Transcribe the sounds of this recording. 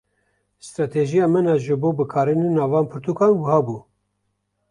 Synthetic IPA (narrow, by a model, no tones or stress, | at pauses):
st̪ɾɑːt̪ʰeʒijɑːmɛnɑʒɨboːbɨkʰɑːɾɨninɑːvɑːnpʰɨɾt̪uːkʰɑːnwəhɑːbuː